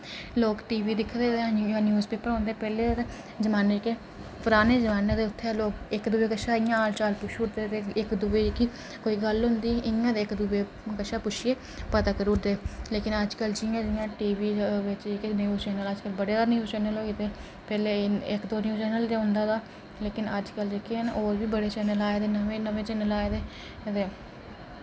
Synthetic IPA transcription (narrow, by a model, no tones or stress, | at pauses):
loːkʈiːʋiːd̪ɪkʰːd̪eːt̪eauãːnjuːzpeːpəɾãːnd̪eːpɛːleː | d͡ʒəmaːneːkeː | pəɾaːneːd͡ʒəmaːneːd̪eːʊt̪ʰːeɛːloːkɪkd̪ʊbeːkəʃaːɪjãːaːlt͡ʃaːlpʊʃʊʈd̪eːt̪eːɪkd̪ʊbeːki | koːiːɡəlɦʊnd̪iːʔɪãːd̪eːkd̪ʊbeː | kəʃaːpʊʃʰɪeː | pət̪aːkəɾʊʈd̪eːleːkɪnəd͡ʒkəld͡ʒɪjãːd͡ʒɪjãːʈiːʋiːʋɪt͡ʃeknjuːzt͡ʃɛːnələd͡ʒkəlbəɽeːd̪aːnjuːzt͡ʃɛːnəloːit̪eː | pɛːleːɪkd̪oːnjuːt͡ʃɛːnəld̪eɦʊ̃nd̪aːd̪aː | leːkɪnəd͡ʒkəld͡ʒekʰenoːɾʋiːbəɽeːt͡ʃɛːnəlaːed̪eːnəʋẽnəʋẽːt͡ʃɛːnəlaːed̪eː | d̪eː